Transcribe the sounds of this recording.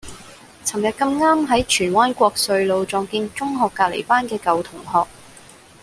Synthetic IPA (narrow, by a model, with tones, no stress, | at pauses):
t͡sʰɐ˨˩mjɐ˨t̚kɐ˧mŋaː˥mɦɐ˨˥jt͡ʃʰyː˨˩nwaː˥nkʷɔː˧k̚sɵ˧ɥlo˨˧wt͡sɔː˨ŋkiː˧nt͡sʊ˥ŋɦɔː˨˧kːaː˧t̚lḛ˨˩jpaː˥nkɛː˧kɐ˨˧wt̪ʰʊ˨˩ŋhɔː˨k̚